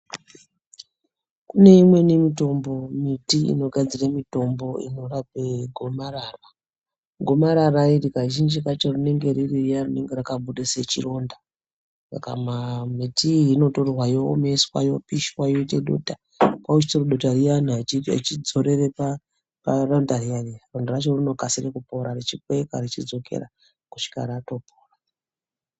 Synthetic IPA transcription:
kune̞imwe̞nemito̞mbo̞mitiḭno̞ɡʱad͡ziramito̞mbo̞ino̞rabeɡʱo̞maraːra | ɡʱomaɾarairikaʒind͡ʒikat͡ʃorine̞ŋɡe̞ɾirijarine̞ŋɡerakaɓuɗeset͡ʃḭro̞nda | sa̰ka̰mamitiino̞torwajo̰meswa̰jo̞piʃwajoteɗo̰ta | kwaut͡ʃi̥t͡soroɗotarijanat͡ʃid͡zo̞ɾe̞ɾepa | parandarijarirondarat͡ʃo̞rino̞kasirekupoɾaɾit͡ʃikweka̰ɾit͡ʃid͡zo̞kḛɾa̰ | ku̥ʃi̥ka̰ɾato̞poːra

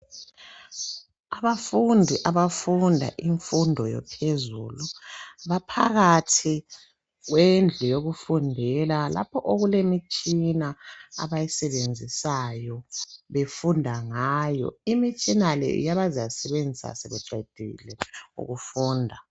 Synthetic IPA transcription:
aβafundʱiʔaβafundʱa̰ʔiɱfundʱɔjɔ̰pʰezṵːluβapʰa̰ɣatʰi | ɣwend͡ɮʱɛjoɣufundʱɛlala̰pʰɔʔoɣulemit͡ʃʼinaa̰βajisɛβend͡zʱisajɔβefundʱaŋaːjɔ̰imit͡ʃʼinalɛ̰jaβazasɛβend͡zʱisa̰sɛβɛǁʱed̥ʱḭlɛṵɣufuːndʱa

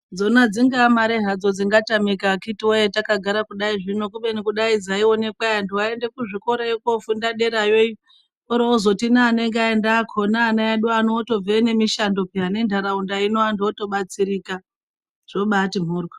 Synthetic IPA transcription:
d͡zo̞nad͡ziŋɡamaɾeɦad͡zo̞d͡ziŋɡatamikakitiwojetakaɡʱaɾakuɗaiʐino̞kuɓenikuɗaid͡zaio̞ne̞kwajanduwae̞nde̞kuʐiko̞ɾajokofundaɗe̞ɾajoi | oɾoozo̞tinaːne̞ŋɡaendakʰonaːnajaɗuanooto̞vene̞miʃando̞peɦane̞ndʱaɾaundainoandoto̞ɓat͡siɾika | ʐ̥o̞ɓatim̤uːrwa

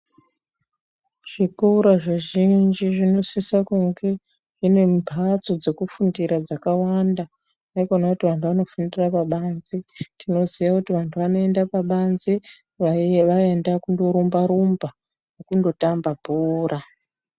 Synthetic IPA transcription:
ʐ̥ikuuɾaʐiʒind͡ʒiʐino̞sisakuŋɡe̞ | ʐine̞mbʱat͡so̞d͡ze̞kufundiɾad͡zakawanda | aikonakutiʋantʰuʋano̞fundirapaɓaːnzetʰino̞ziʋakutiʋantʰuʋano̞e̞ndapaɓanze | ʋaendakundo̞ɾumbaɾumba | nokundo̞tambabʱuːra

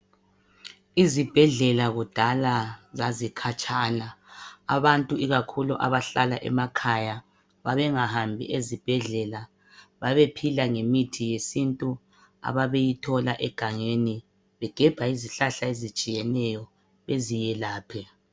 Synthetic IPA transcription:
izib̥ʱɛɮɛlaɣud̥ʱalazazikʰat͡ʃʼaːlaa̰βantʼuiɣakʰuluʔa̰βaɬala̰ʔɛ̰makʰaja | βaβɛŋahambʱḭʔezib̥ʱɛɮɛla | βaβepʰilaŋemitʰijesintʼu | a̰βaβejitʰɔlaʔɛɡ̥ʱaŋeni | βɛɡ̥ʱɛb̥ʱaiziɬaɬaezit͡ʃʼijɛnɛjɔ | βezijɛlaːpʰɛ

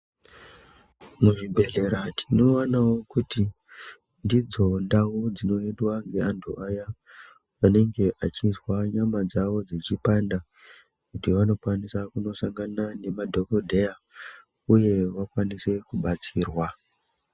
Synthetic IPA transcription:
muʐibʱe̞ɮe̞ɾatʰino̞anawo̞kuti | ndid͡zo̞ndaud͡zino̞eɗwaŋɡe̞antʰṵʔaja | ʋane̞ŋɡe̞ʔat͡ʃinzwaɲamad͡zaʋo̞d͡zit͡ʃipanda | kutiʋano̞kwanisakuno̞saŋɡanane̞madʱo̞ko̞dʱe̞ja | uje̞ʋakwanise̞kuɓat͡siːrwa

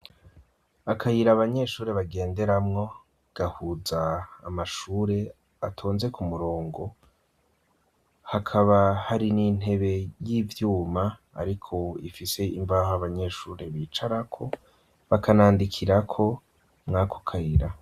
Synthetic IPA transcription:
akʰajiɾaβaɲe̞ːʃuːɾeβaɡe̞ːnde̞ɾamŋo̞ | ɡ̥ahuzaːmaʃuːɾe̞ | atʰo̞ːnze̞kʰumuɾoːŋɡo̞ | hakʰaβahaɾinin̥he̞βe̞jiːvjuːma̰ː | ɾikʰo̞ifise̞iɱvahoaβaɲe̞ʃuːɾe̞βiːt͡ʃaɾakʰo̞ | βakʰanaːndikʰiɾakʰo̞ | mŋaːkʰo̥kʰajiɾa

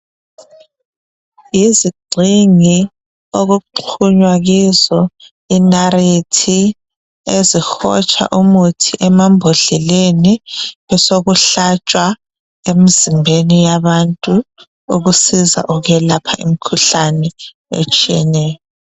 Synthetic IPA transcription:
iziɡ͡ǀʱiŋi | oɣuǃʰuɲwaɣizɔ | inaɾetʰi | ezixɔt͡ʃʼa̰ʔumutʰiʔɛmambʱoɮɛleniɛsoɣuɬat͡ʃʼwa | emizimbʱenijaβantʼu | uɣusiza̰ʔuɣɛlapʰaʔḭmikʰuɬanɛ | ḛt͡ʃʼiɛnɛːjɔ

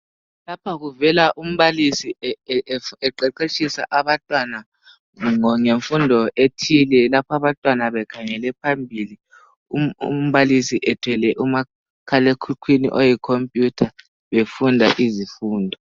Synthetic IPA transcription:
lapʰaɣuvɛlaʔum̩βalisi | ɛǃɛǃet͡ʃʰʼisa̰ʔaβantʼwana | ŋɔŋeɱfundʱɔʔetʰilɛlapʰaβantʼwanaβɛkʰaŋɛlɛpʰambʱili | uṵm̩βalisiʔɛtʰwɛlɛʔuma | kʰalekʰukʰwinḭʔojikʰompʼjutʰa | βefundʱaʔizifuːndʱɔ

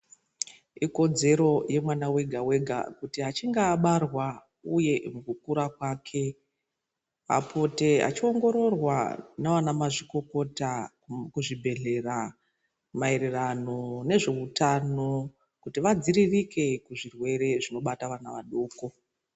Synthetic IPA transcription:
iko̞d͡ze̞ɾo̞je̞mwanawe̞ɡʱawe̞ɡʱa̰kutiɦat͡ʃiŋɡaːɓarwa | uje̞mukukuɾakwaːkʰe̞ | a̰pʰo̞te̞a̰t͡ʃio̞ŋɡo̞ɾo̞rwanaʋanamaʐiko̞ko̞ta | kuʐibʱe̞ɮe̞ra | mae̞ɾerano̞ne̞ʐe̞utano̞ | kutiʋad͡ziɾirike̞kuʐirwe̞ɾe̞ʐino̞ɓataʋanaʋaɗoːko̞

